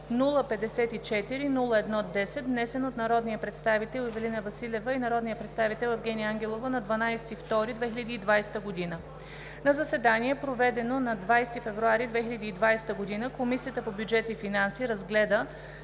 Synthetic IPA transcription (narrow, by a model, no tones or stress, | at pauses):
nulˠəpɛd̪ɛsɛt̪it͡ʃɛt̪iɾinulˠəɛd̪nɔd̪ɛsɛt̪vnɛsɛnot̪nɐɾɔd̪nijəpɾɛt̪st̪avit̪ɛlˠivɛlinəvɐsilʲɛvəinɐɾɔd̪nijəpɾɛt̪st̪avit̪ɛlˠɛvɡʲɛniaŋɡʲɛlˠovənɐd̪vɐnajsɛ̥t̪ift̪ɔɾid̪vɛxilʲəd̪iːd̪vajsɛ̥t̪əɡod̪inə | nɐzɐsɛd̪aniɛpɾovɛd̪ɛnonɐd̪vajst̪ifɛvɾuaɾid̪vɛxilʲəd̪iːd̪vajsɛ̥t̪əɡod̪inəkomisijət̪əpobjud͡ʒɛt̪ifinansiɾɐzɡlɛd̪ə